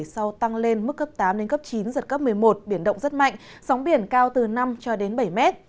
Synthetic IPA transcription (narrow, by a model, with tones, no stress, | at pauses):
sa˧wt̪a˧ŋle˧nmɨ˦˥kːə˦˥p̚t̪aː˨˦mɗe˨˦nkə˦˥p̚t͡ɕi˨˦nzə˨˩t̚kə˦˥p̚mɨ˨˩əjmo˨˩t̚ɓi˧˩ənɗə̰˧˨wŋ͡mzə˦˥t̚ma̰˧˨ŋ̟ | sɔ˨˦wŋ͡mɓi˧˩ənkaː˧wt̪ɨ˨˩na˧mt͡ɕɔ˧ɗe˨˦nɓə˧˩jmɛ˦˥t̚